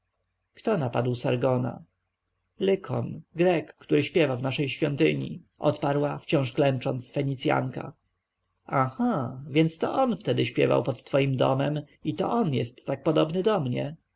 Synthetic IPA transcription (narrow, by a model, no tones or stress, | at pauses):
kt̪ɔnapad̪wsaɾɡɔna̰ | lɘkʰɔnɡɾɛkːt̪uɾɘɕpʲjɛvavnaʂɛjɕfʲjɔnt̪ɘ̰ɲḭʔɔt̪paɾwaft͡ɕɔ̃w̃ʂklɛnt͡ʂɔnt̪sfɛɲit̪sʲja̰ŋka̰ | axavʲjɛnt̪st̪ɔʔɔnft̪ɛd̪ɘɕpʲjɛ̰va̰wpɔt̪ːfɔjimd̪ɔ̰mɛm | it̪ɔ̰ʔɔnjɛst̪ːak̚pɔd̪ɔbnɘd̪ɔmɲɛ̰